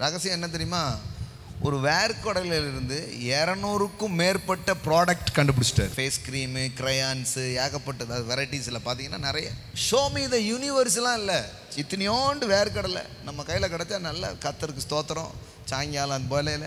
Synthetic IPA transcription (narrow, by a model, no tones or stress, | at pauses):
ɾɐɣɐsɪjɐ̃ɛnːɐt̪̬ɛɾɪjɯmaː | ɔɾɯʋeːɾɯkɔɽɐɪlɪlɪɾɯnd̪ɯɛːɾɐnoːɾɯkːʊ̃meːɾpɐʈːɐpɪɾaːɽɐk̚ʈkɐɳɖɯp̬ɐɽɯt͡ʃːɯ̥ʈːɐ̰ːɾfeːskɪɾiːmɯkɪɾɐjaːnsɯaːɣɐpːɐʈːɯɐðaːðɯʋɛɾɐɪʈisɪlːɐpaːɾt̪̬iŋɡɐnːaːnɪɾɐjɐʂoːmiːðɐjuːnɪʋɐɾslãːɪlːɐ | t͡ʃɪt̪ːɪnɪjoːɳɖɯʋeːɾɯkɔɽɐlɐ̰ | nɐmːɐkɐɪjːɪlɐkɐɽɐt̪ːanɐlːɐ̰kɐt̪ːɐɾɯkːɯt̪oːt̪ːɐɾõ̰ | t͡ʃaːŋɡɪjaːlɐɐnd̪ɐpoːjɪlɐɪlːɐ